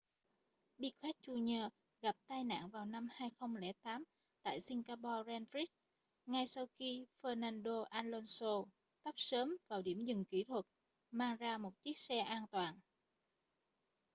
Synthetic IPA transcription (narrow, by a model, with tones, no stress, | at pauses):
ɓi˧k̚xwɛ˦˥t̚t͡ɕu˧ɲəː˧ | ɣa˨˩p̚t̪aː˧jna̰ː˧˨ŋvaː˨˩wna˧mhaː˧jxə˧wŋ͡mlɛ̰˧˩t̪aː˨˦m | t̪a̰ː˧˨jsi˧ŋɣaː˧pɔ˧zɛ˧nfɾi˦˥t̚ | ŋa˧jsa˧wxi˧fəː˧naː˧nɗo˧ʔaː˧nlo˧nso˧ | t̪ə˦˥p̚səː˨˦mvaː˨˩wɗi˧˩əmzɨ˨˩ŋki˧˩˦t̪ʰwə˨˩t̚ | maː˧ŋzaː˧mo˨˩t̚t͡ɕi˦˥ək̚sɛ˧ʔaː˧nt̪waː˨˩n